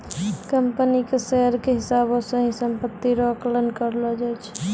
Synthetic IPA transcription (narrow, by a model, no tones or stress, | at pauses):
kəmpənikesɛɦəɾkeɦɪsaːbõsẽɦĩsəmpət̪ːiɾɔklənkəɾlɔd͡ʒɛːt͡ʃʰ